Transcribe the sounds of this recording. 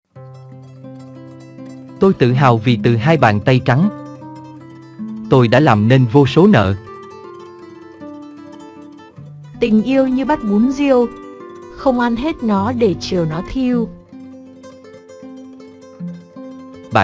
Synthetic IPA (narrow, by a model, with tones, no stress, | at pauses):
t̪o˧jt̪ɨ̰˧˨ɦaː˨˩wvi˨˩t̪ɨ˨˩ɦaː˧jɓa̰ː˧˨nt̪a˧jt͡ɕa˨˦ŋ | t̪o˧jɗa̰ː˧˥laː˨˩mne˧nvo˧so˨˦nə̰ː˧˨ | t̪ï˨˩ŋ̟ʔi˧əwɲɨ˧ɓa˦˥t̚ɓu˨˦nzi˧əw | xə˧wŋ͡mʔa˧nɦe˦˥t̚nɔ˨˦ɗe˧˩t͡ɕɨ˨˩əwnɔ˨˦t̪ʰi˧əw | ɓa̰ː˧˨